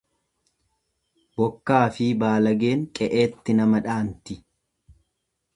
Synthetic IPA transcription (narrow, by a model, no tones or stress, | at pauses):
bɔkːaːfibaːlɐɡe̞ːŋkʼɛʔeːt̪ːɪnɐmɐᶑaːnt̪ɪ